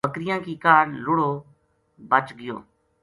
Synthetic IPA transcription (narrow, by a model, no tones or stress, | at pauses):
əkɾɪjãːkiːkaːnlʊɽoː | bət͡ʃɡɪjo̰ː